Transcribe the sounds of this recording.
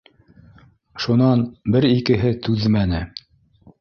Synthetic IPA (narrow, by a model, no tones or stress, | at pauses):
ʃunɑnbɘɾikɘ̆ɦɘt̪ʉðmænɘ